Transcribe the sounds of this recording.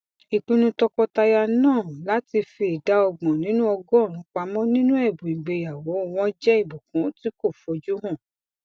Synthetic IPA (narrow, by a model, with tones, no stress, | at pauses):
i˨k͡pĩ˧nũ˧tɔ˧kɔ˧ta˧ja˧nãː˦˨la˨˦ti˧fi˧i˨da˨˦ɔ˧ɡ͡bɔ̃˨nĩ˨˦nũ˦ɔ˧ɡɔ˦˨nũ˨˦k͡pa˧mɔ̃˦nĩ˦nũ˦ɛ˦˨bũ˨ĩ˨ɡ͡be˨ja˨wɔ˨˦˨w̃ɔ̃˦d͡ʒɛ˦i˦˨bu˨kũ˨˦ti˦ko˦˨fɔ˨˧d͡ʒu˦ɦɔ̃˦˨